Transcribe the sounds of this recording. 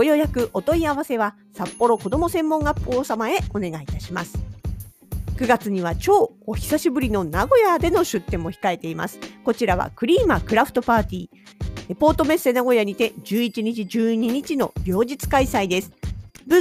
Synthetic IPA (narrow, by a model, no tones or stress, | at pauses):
ojo̞jakɯ̟ʔo̞t̪o̞iaβ̞ase̞β̞a | sapːo̞ɾo̞ko̞d̪o̞mo̞sẽ̞mːõ̞ŋɡapːoːsamae̞o̞ne̞ɡait̪aɕimasɨ̥ | kɯ̟ɡat͡sɨɲ̟iβ̞at͡ɕo̞ːɡoçi̥saɕibɯ̟ɾʲino̞naɡo̞jad̪e̞no̞ɕɨt̪ːẽ̞mːo̞çi̥kae̞t̪e̞ima̰sɨ̥ko̞t͡ɕiɾaβ̞a̰kɯ̟ɾʲiːmakɯ̟ɾaɸɯ̥t̪o̞paːt̪ʲiː | epo̞ːt̪o̞me̞se̞naɡo̞jaɲ̟it̪e̞d͡ʑɨːit͡ɕiɲ̟it͡ɕid͡ʑɨːɲ̟iɲ̟it͡ɕino̞bʲo̞ːʑit͡sɨ̥kaisaid̪e̞sɨ̥b